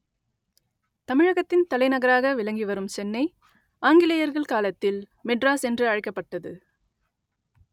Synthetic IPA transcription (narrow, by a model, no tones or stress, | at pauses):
t̪ɐmɪɻɐɣɐt̪ːɪnt̪ɐlɐɪnɐɣɐɾaːɣɐʋɪlɐŋɡiʋɐɾɯmsɛnːɐɪ | ʔaːŋɡɪlɐjɐɾɣɐɭkaːlɐt̪ːɪl | mɛɖraːsɛndrɯɐɻɐɪkːɐpːɐʈːɐðɯ